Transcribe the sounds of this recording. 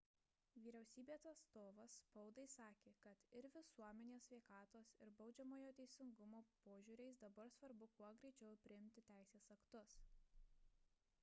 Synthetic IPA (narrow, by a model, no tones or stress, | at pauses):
ʋʲiːɾʲɛʊsʲiːbʲeːsɐt̪st̪oːʋɐsːpɐʊd̪ɐɪsɑːkʲeːkɐt̪ɪɾʋʲɪsuɔmʲɛnʲeːsʲʋʲɛɪkɑːt̪oːsɪɾbɒʊd͡ʒʲɛmoːjoːt̪ʲɛɪsʲɪŋɡʊmoːpoːʒʲuːɾʲɛɪsd̪ɐbɐɾsʋɐɾbʊkuɔɡɾʲɛɪt͡ʃʲɛʊpʲɾʲɪɪmʲt̪ʲɪt̪ʲæɪsʲeːsɐkt̪ʊs